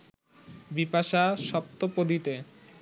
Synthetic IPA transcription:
bipaʃaʃɔp̚t̪opod̪it̪e

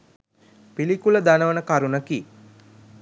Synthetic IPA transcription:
pilikuləd̪anəʋənəkaɾunəki

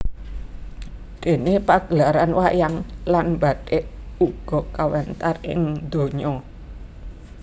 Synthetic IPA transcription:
d̪̥e̤nepaɡ̥əlaɾanwajaŋlanba̤d̥eʔuɡ̥ɔ̤kawɛnt̪arɪ̰ŋd̪̥o̤ɲɔ

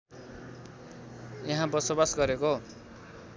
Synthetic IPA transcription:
jʌɦãbʌsobasɡʌɾeko

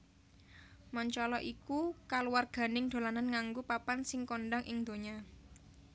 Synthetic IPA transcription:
mɔɲt͡ʃɔlɔʔikukaluwarɡ̥a̤nɪŋd̪̥o̤lananŋaŋɡupapansɪŋkɔɳɖaŋʔɪŋd̪o̤ɲa

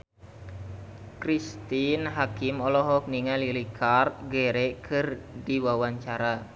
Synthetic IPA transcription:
kɾist̪inɦakɪmɔlɔɦɔk̚niŋalilikʰart̪ɡeɾɛʔkʰɨrdiwawaɲt͡ʃaɾa

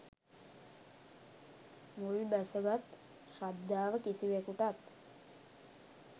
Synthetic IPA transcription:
mulbæsəɡat̪ | ʃad̪ːaːʋəkisiʋekuʈat̪

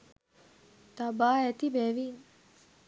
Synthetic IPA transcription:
t̪abaːɛt̪ibɛʋin

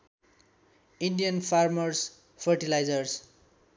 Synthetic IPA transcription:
inɖijʌnpʰarmʌrs | pʰʌrʈilajd͡zʌrs

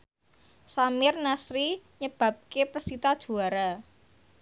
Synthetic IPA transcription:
samɪrnasɾiɲəb̥ä̤p̚kepərsit̪ad̥ʒ̥ṳaɾa

